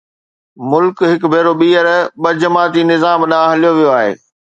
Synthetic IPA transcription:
mʊlkɦɪkbʱeːɾoɓiːəɾɓɐd͡ʑəmaːt̪inɪzaːmɗãːɦɐlijoʋijoaːɦḛː

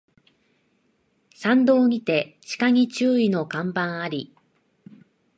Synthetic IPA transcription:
sãnd̪o̞ːɲ̟it̪e̞t͡ɕi̥kaŋʲit͡ɕɨːino̞kãmbãɰ̃aɾʲi

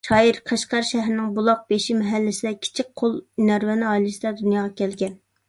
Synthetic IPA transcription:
ʃɑːiɾqʰəʃqɑɾʃɛɦɾɪnɪŋbulˠɑq̚beʃimɛɦælːɪsɪd̪ɛkʲʰi̥t͡ʃʰik̚ʲqʰolˠnæɾwɛnɪɑːjlɪsɪd̪ɛd̪unjɑːʁɑkʲɛlɡʲɛn

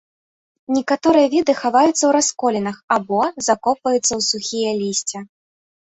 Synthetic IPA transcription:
nʲɛkat̪ɔɾɨjɐvʲid̪ɨxavajut̪sːɐwɾaskɔlʲɛnɐxabɔzakɔpvɐjut̪sːɐwsuxʲijɐlʲisʲt͡sʲɛ

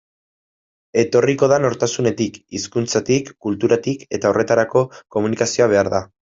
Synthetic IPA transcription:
e̞t̪o̞riko̞ð̞ano̞ɾt̪asune̞t̪ikiskunt͡sat̪ikːult̪uɾat̪ike̞t̪aorʔe̞t̪aɾako̞ko̞munikasio̞aβ̞e̞aɾða

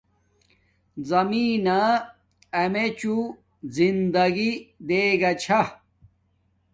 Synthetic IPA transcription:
zɐmiːna | ɐmet͡ɕu | zind̪ɐɡid̪eːɡɐt͡ɕʰɐ

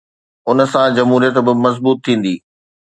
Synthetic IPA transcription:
ʊnə̆sãd͡ʑɐmɦuːɾijət̪bɪmɐzbuːt̪ʰːĩːn̆d̪iː

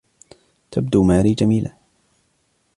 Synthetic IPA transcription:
t̪ʰab̚d̪uːmaːɾiːd͡ʒamiːlaː

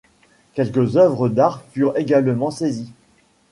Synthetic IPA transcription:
kʲɛlkəzœvʁəd̪aʁfyʁeɡalmɑ̃sezi

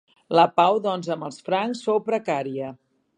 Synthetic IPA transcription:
ləpawðɔnzəmbəlˠsfɾaŋsfowpɾəkaɾiə

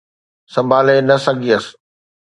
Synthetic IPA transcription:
sɐ̃mbʱaːlenɐsɐɡʱiəs

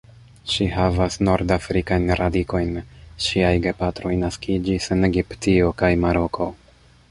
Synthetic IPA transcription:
ʃiɦavasno̞ɾdafɾikajnɾadiko̞jnʃiajɡe̞patɾo̞jnaskʰid͡ʒiseneɡiptio̞kajmaɾo̞kʰo̞

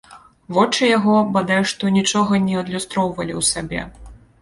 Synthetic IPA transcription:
vɔt͡ʂɨjaɣɔbad̪ajuʂt̪ɔnʲit͡ʂɔɣɐnʲɛɐd̪lʲust̪ɾɔwvɐlʲiwsabʲɛ̰

